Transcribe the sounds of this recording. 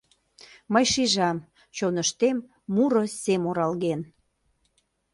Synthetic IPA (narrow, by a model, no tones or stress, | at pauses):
məjʃiʒɑm | t͡ɕonəʃt̪emː | uɾɤ̆semoɾɑlɣen